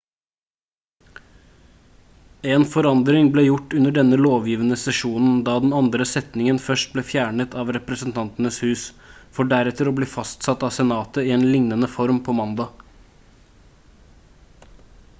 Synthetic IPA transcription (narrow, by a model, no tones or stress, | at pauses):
ɛːnfɔɾɑnd̪ɾɪŋbleːjʊʈːʉnəɖɛnːəloːʋjiːʋənəsɛʂuːnn̩d̪ɑːd̪ɛnɑnd̪ɾəsɛt̪nɪŋənfœʂʈ̚bleːfjæːɳət̪ʰɑːʋɾɛpɾəsənt̪ʰɑnt̪ənəshʉːs | fɔɖæɾɛt̪əɾoːbliːfɑst̪sɑt̪ɑʋsɛnɑːt̪əɪeːnlɪŋnənəfɔɾmpʰɔːmɑnd̪ɑː